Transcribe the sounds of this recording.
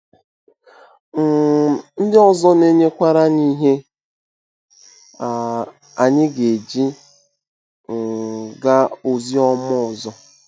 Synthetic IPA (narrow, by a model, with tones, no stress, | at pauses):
n̩˦dɪ˦ɔ˦zɔ˦ne˦ɲe˦kʷa˦ɾa˦ni˦ɦe˦ | a˨ | a˨ɲɪ˦ɡe˨d͡ʒi˦ | ŋ̩˨ɡa˦o˨zi˦ɔ˦mɔ˦˨zɔ˦